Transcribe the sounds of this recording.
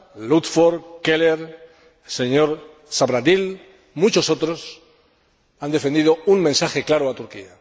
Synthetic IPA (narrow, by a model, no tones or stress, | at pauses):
lut̪foɾkeleɾ | se̞ɲo̞ɾ | saβɾaðil | mut͡ʃo̞so̞t̪ɾo̞s | and̪e̞fend̪iðouŋmẽnsaxeklaɾoat̪uɾkḭa